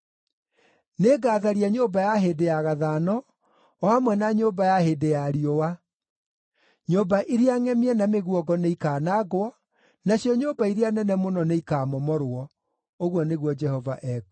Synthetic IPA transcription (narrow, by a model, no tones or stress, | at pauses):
neɡaːðaɾiaɲoːbajaɦedejaɣaðaːnɔ | ɔamwɛnaɲoːbajahedejaɾiɔwa | ɲobaʔiɾeaŋɛmiɛnameɣuɔɡɔneikaːnaɡwɔ | naɕjɔɲoːbaiɾeanɛnɛmonɔneikaːmɔmɔɾwɔ | oɣwɔneɣwɔd͡ʒɛhɔvaʔɛɡu